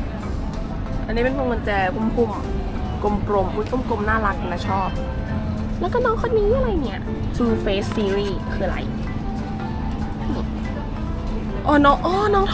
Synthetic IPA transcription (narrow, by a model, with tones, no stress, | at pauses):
ʔa˧niː˧˥˩e˧˨npʰo˧˦ŋɤ˧nt͡ɕɛː˧˩pʰu˧˥˩mpʰu˧˩m | ko˧˩mkɾo˧˩mpʰu˧˥˦kʰu˧˥˨mko˧˩mnaː˥˩la˦˥k̚naː˧˥˩t͡ɕʰɔː˥˩p̚ | lɛ˦˥kɔː˥˩nɔː˧˥ŋkʰɔ˧˥nniː˧˦˥ʔa˧ɾa˧jni˦˥˩ɐ | t̪ʰuː˧feː˦˥si˧ɾiː˥˩kʰɯː˧a˨ɾa̰˧˩j | ʔɔː˧˩nɔ˦˥ʔɔː˧˩nɔː˧˥ŋt̪ʰ